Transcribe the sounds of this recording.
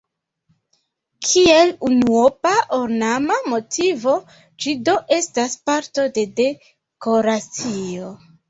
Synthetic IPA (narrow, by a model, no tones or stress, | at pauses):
kʰielunuopaʔoɾnamamo̞tʰivo̞ | d͡ʒido̞ʔe̞staspaɾto̞de̞de̞ | ko̞ɾat͡sio̞